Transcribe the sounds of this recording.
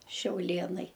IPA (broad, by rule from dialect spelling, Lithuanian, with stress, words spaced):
ʃʲɛʊˈlʲeːnɐɪ